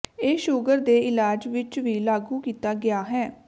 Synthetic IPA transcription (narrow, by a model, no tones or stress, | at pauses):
eːʃʊɡəɾd̪eːɪlaːd͡ʒʋɪt͡ʃʋiːlaːɡuːkiːt̪aːɡɪaːɦɛː